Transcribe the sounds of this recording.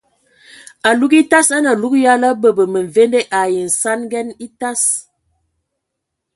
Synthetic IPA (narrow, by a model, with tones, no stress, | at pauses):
a˨lu˦ɡi˦ta˦sa˦na˨lu˦kja˦la˦bə˨bə˨mə˨n˨ve˦nde˦ʔa˨ji˨n̩˨sa˦nɡɛ˦ni˦ta˦s